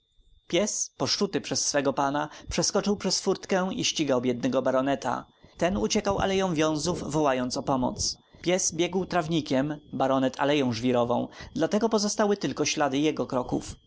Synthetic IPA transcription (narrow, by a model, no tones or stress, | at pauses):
pʲjɛspɔʂt͡ʂut̪ɘpʂɛsːfɛɡɔpanapʂɛskɔt͡ʂɘwpʂɛsfuɾt̪kɛwiɕt͡ɕiɡawbʲjɛd̪̚nɛɡɔbaɾɔnɛt̪a̰ | t̪ɛnut͡ɕɛkawa̰lɛjɔ̃w̃vʲjɔ̃w̃zuvvɔwajɔnt̪sɔpɔmɔ̰t̪s | pʲjɛzbʲjɛɡwt̪ɾavɲikʲɛmbaɾɔnɛt̪ʰa̰lɛjɔ̃w̃ʐvʲiɾɔvɔ̰̃w̃d̪lat̪ɛɡɔpɔzɔst̪awɘt̪ɘlkɔɕlad̪ɘjɛɡɔkɾɔkṵf